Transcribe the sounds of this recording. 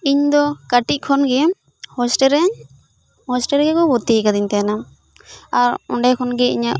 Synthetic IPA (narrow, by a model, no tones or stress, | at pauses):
iɲd̪ɔkaʈit̚ˀkʰɔnɡɛ | hɔsʈɛɾɛɲ | hɔsʈɛɾɡɛkɔbɔt̪iɛkad̪iɲt̪ɛjanam | aɾɔɳɖajkʰɔnɡɛḭɲaʔ